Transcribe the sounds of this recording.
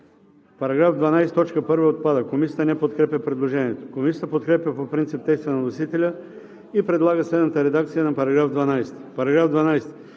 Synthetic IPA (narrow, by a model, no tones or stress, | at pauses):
pɐɾɐɡɾafd̪vɐnajst̪ɔt͡ʃkəpɤɾvəot̪̚pad̪əkomisiət̪ənɛpot̪kɾɛpʲəpɾɛd̪lˠoʒɛniɛt̪o̥komisʲjət̪əpot̪̚kɾɛpʲjəpopɾint̪sip̚t̪ɛjst̪vənɐnosit̪ɛlʲə | ipɾɛd̪lˠaɡəslɛd̪nət̪əɾɛd̪ak̚t̪sijənɐpɐɾɐɡɾavd̪vɐnajst̪i̥pɐɾɐɡɾavd̪vɐnajs